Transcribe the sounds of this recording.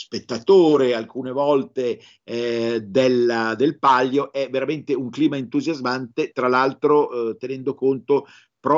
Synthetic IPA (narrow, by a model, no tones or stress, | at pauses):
spet̪ːat̪oːɾealkuːnevɔlt̪e | d̪eld̪elpaʎːoʔɛveɾament̪euŋkliːmaent̪uzjazmant̪et̪ɾalalt̪ɾot̪enɛnd̪okont̪o | pɾɔ